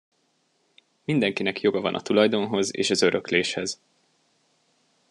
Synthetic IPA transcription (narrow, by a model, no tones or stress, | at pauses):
mind̪ɛŋkinɛkjo̞ɡɒvɒ̰nʔɒ̰t̪ulɒjd̪o̞nɦo̞zḛːʃɒzø̞ɾøkleːʃhɛz̥